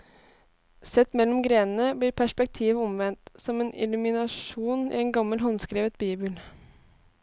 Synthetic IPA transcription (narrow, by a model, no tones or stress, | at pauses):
sɛt̪ːmɛlːɔmɡɾeːnən̩əbliːɾpʰæʂpɛk̚t̪ʰiːʋɔmʋɛnt̪sɔmeːnɪ̰lʉmɪnɑʂuːnḭːeːnɡɑmːəlɦɔnskɾeːʋət̪biːbəl